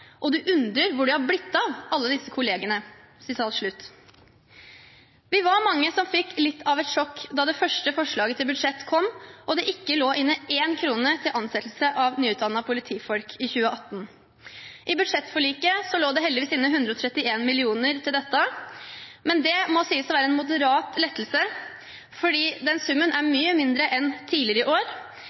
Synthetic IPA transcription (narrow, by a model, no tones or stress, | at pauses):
ʔɔd̪ʉʔʉnd̪ɾəɾʋʊɖɛhɑɾblɪt̪ːɑʋɑlːəd̪ɪsːəkʰʊleːɡənə | sɪsɑlt̪ʂɭʉt̪ː | ʋɪʋɑɾmɑŋːəsɔmfɪkːlɪt̪ːɑʋɛt̪ʂɔkd̪ɑd̪ɛfœʂʈəfɔʂɭɑːɡət̪ʰɪlbʉd̪ʂɛt̪ːkʰɔmːʔɔd̪ɛʔɪkːəloːʔɪnːəeːnkʰɾuːnət̪ʰɪlʔɑnsɛt̪l̩səʔɑʋnyːʉːt̪d̪ɑnːɑpʰʊlɪt̪ʰiːfɔlkʰɪçʉːəʔɑt̪ːn | ʔɪbʉd̪ʂɛt̪ːfɔɭiːkəsɔloːd̪ɛɦɛld̪ɪʋiːsɪnːəɦʉnd̪ɾəɔt̪ʰɾɛt̪ːɪeːnmɪlɪuːnəɾt̪ʰɪld̪ɛt̪ːə | mɛnd̪ɛmɔsiːəsɔʋæːɾəɛnmʊd̪əɾɑːt̪lɛt̪ːl̩sə | fɔɖiːd̪ɛnsʉmːənʔæɾmyːəmɪnd̪ɾəʔɛnt̪ʰiːlɪəɾəɪʔoːɾ